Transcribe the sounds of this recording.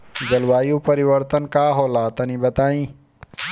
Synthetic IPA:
d͡ʒɐlwaːjũːpɐɾiʋəɾt̪ənkaːɦoːlaːt̪ɐnĩːbɐt̪aːĩː

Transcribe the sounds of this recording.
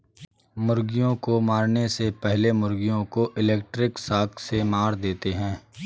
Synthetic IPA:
mʊɾɡijõkomaːɾnesepɛɦlemʊɾɡijõkoʔɪlɛːk̚ʈɾɪksaːkʰsemaːɾd̪eːt̪eɦɛ̃ː

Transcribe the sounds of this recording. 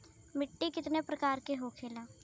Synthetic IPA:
mɪʈːikɪt̪nepɾɐkaːɾkeɦokʰeːlaː

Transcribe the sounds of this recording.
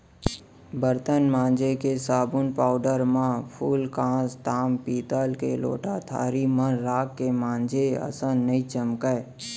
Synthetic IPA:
bəɾt̪ənmãːnd͡ʒekesaːbʊnpaːʊɖəɾmãpʰuːlkãːst̪aːmpiːt̪əlkḛlo̰ːʈat̪ʰa̰ːɾimə̃ɾaːkːemãːnd͡ʒeə̰sə̃nəĩt͡ʃəmkə

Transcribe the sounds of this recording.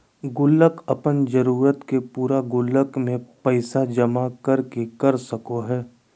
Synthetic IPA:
ɡʊlːəkɐpənd͡ʒəɾuːɾət̪kepuːɾaɡʊlːəkmẽpəɪsad͡ʒɐmakɐɾkekɐɾsəkoɦɛː

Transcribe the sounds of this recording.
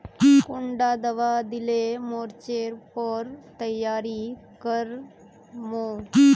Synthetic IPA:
kuɳɖad̪əʋad̪ilemoɾt͡ɕeɾpɔɾt̪əjaɾi | kəɾ | mo

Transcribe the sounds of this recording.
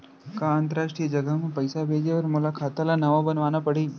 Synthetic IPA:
kaə̃nt̪əɾaːʃʈɾiːjəd͡ʒɐɡəɦmẽpɐɪsabʱeːd͡ʒeɐɾmʊlakʰaːt̪alanɐʋabɐnʋaːnapɐɽiː

